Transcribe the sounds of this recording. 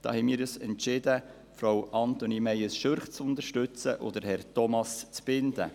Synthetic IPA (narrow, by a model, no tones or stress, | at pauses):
d̥ɑ̰ːhɛmiːɾysɛntʃɪd̪ə | fɾowʔɑnt̪onimɛjəsʃøɾχt͡sʊnd̪əɾʃtʉt͡sə̰ʔod̪əɾhɛɾtɔmɑst͡sb̥ɪnd̪ə̰